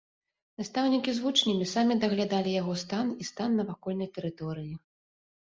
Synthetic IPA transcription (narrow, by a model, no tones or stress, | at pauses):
nast̪awnʲikʲizvut͡ʂnʲimʲisamʲid̪ɐɣlʲad̪alʲijaɣɔst̪anist̪anːɐvakɔlʲnɐjt̪ɛɾɨt̪ɔɾɨji